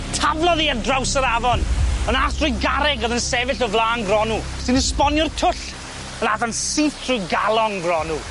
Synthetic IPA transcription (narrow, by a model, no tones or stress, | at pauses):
tʰavlˠɔðiədrawsəɾavɔnənaːθrʊjɡaɾɛɡɔðənsɛvɪɬɔvlˠaːŋɡrɔnu | sɪnuspɔnjɔrtʰʊɬ | ənaθansiθr̥ʊjɡalˠɔŋvrɔnu